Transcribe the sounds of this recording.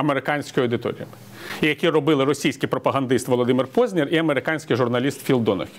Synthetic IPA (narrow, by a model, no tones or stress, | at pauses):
ɐmeɾɪkɑnʲsʲkɔjʊɐwd̪ɪt̪ɔ̰ɾʲḭjɐ | ijɐkʲirɔbɪlˠɪɾɔsʲijsʲkɪjpɾɔpɐɦɐnd̪ɪst̪ʋɔlˠɔd̪ɪmɪrpɔzʲnʲiriɐmeɾɪkɑnʲsʲkɪjʒʊrnɐlʲist̪fʲilˠd̪ɔnɔ̰xʲ